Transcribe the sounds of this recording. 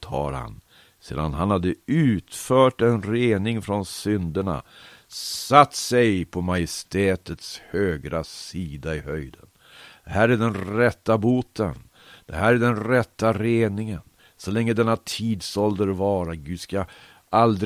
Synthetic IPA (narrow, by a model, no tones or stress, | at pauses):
t̪ʰɑ̰ːɾha̰n | sḛːd̪a̰nɦanhad̪ːəʉ̟ːt̪fœːʈɛnɾeːnɪŋfɾɔnsʏnd̪əɳa̰ | sat̪ːsɛjpʰɔmajɪst̪ɛːt̪ət̪shøːɡɾasiːd̪aɪhœjd̪ən | d̪̥ɛɦæːɾæɖɛnɾɛt̪ːabuːt̪ʰən | d̪̥ɛɦæːɾæɖɛnɾɛt̪ːaɾeːnɪŋən | sɔlɛŋːəd̪ɛnːat̪ʰiːd̪sɔld̪əɾvɑːɾaɡʉːd̪ska | ʔald̪ɾ